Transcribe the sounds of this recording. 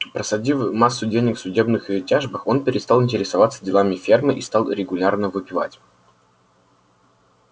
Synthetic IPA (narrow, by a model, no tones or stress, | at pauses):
pɾəsɐdʲivmasːʊdʲejnʲɪxsʊdʲe̞bnɨxɨtʲaʐbɨxo̞npʲɪɾʲɪst̪ɑlˠɨnʲtʲɪɾʲɪsɐvat̪sədʲɪlˠamʲɪfʲermɨʔist̪ɑlˠɾʲɪɡʊlʲarnəvɨpʲɪva̰tʲ